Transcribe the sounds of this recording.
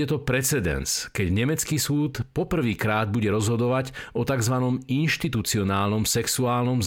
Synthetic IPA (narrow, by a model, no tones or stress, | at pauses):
ɛt̪ɔpɾɛt͡sɛd̪ɛ̰nskɛɟɲɛmɛt͡skiːsuːt̪pɔpr̩ʋiːkɾaːd̪̚buɟɛɾɔzɦɔd̪ɔʋaɟɔt̪aɡzʋanɔminʃt̪it̪ut͡siɔnaːlnɔmsɛksuaːlnɔmz